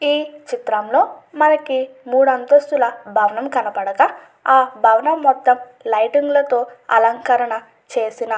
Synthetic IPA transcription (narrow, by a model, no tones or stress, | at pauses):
iːt͡ʃit̪ɾɐmlo̞ːmɐnɐkimuːɽɐnt̪ost̪ulɐbʱɐːʋɐnɐmkɐnɐpɐɽɐkɐ | aːbʱɐːʋɐnɐmːɔt̪ːɐm | lɐjʈiŋɡlɐt̪o̞ːɐ̰lɐŋkɐɾɐɳɐ | t͡ʃe̞ːsinɐ